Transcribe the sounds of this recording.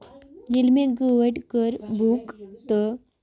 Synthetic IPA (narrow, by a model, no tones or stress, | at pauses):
d͡ʑilmeɡəʋəʈkəɾbʱukt̪ə